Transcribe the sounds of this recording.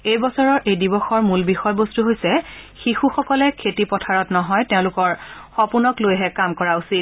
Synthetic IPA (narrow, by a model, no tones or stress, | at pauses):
ejbɔsɔɹɔɹʔejdibɔxɔɹmulbixɔjbostuɦojsɛxixuxɔkɔlɛkʰetipɔtʰaɹɔtnɔɦɔjteʊ̃lʊkɔɹxɔpunɔklojɦɛkamkɔɹausit